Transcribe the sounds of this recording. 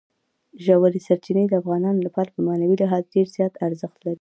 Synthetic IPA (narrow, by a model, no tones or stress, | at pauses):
ʒawaɾisaɾt͡ʃinəjd̪əafɣɑnɑnolapɑɾapəmanawilɪɦɑzɖeɾzjɑt̪aɾzəxt̪laɾi